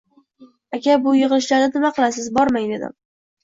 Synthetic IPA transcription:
akʲʰabʊjɨʁɨlˠɪʃlaɾnɪnɪmaqʰɨlˠasɪzbɒɾmajd̪e̞d̪ɪ̰m

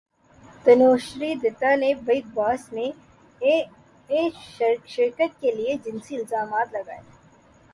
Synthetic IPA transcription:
t̪ɐnoːʃɾid̪ɪt̪anebɐik̚baːsne | eːʃʃɪɾkət̪̚kelied͡ʒɪnsiɪlzaːmaːt̪lɐɡa̰ːje

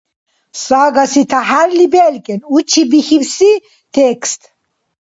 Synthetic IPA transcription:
saːɡɐsit̪ʰaɦaɾlibelkenut͡ɕʰibixifsi | t̪ʰekst̪

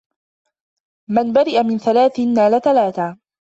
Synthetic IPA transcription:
manbaɾɪʔamɪnθalaːθɪnːaːlaθalaːθaː

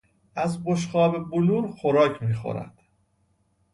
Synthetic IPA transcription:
ʔæzboʃ̬χɒːbeboluːɾxoɾɒːcʰmiːxo̰ɾæ̰d̪̥

